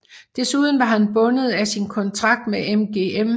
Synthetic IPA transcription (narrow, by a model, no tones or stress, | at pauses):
d̥e̝suð̞̰ˠn̩ʋɑ̈ɦænb̥ɔ̽nəð̞̩ˠæsinkʰɒ̽nt͡sʰʁɑ̈ɡ̥̚d̥meʔemɡ̥e̝ːem